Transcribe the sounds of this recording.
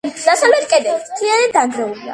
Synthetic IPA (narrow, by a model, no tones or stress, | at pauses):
d̪̥asalɛt̪kʼɛd̪ɛt̪ʰlianad̪aŋɡɾɛulia̰